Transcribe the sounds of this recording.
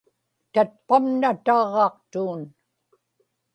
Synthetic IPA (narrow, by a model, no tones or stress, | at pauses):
t̪at̪̚pamnat̪ɑʁɑqt̪uːn